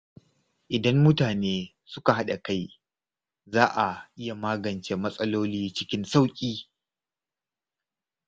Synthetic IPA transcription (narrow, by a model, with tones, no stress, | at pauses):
ʔɪ˨dɐ˦mːʊ˦taː˨neː˦ | sʊ˦ka˨ha˦ɗa˨ka˦j | zaː˦ʔa˨ʔɪ˦ja˨maː˦ɡɐ˨nt͡ʃe˨mɐ˦sʼɐ˦loː˦liː˦t͡ʃɪ˦kʲɪ˦nsa˦wkʲʼiː˦